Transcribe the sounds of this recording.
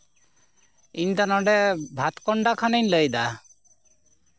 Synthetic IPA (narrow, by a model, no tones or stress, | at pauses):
iɲt̪anɔɖɛbʱat̪kɔɳɖakʰanəɲləjd̪a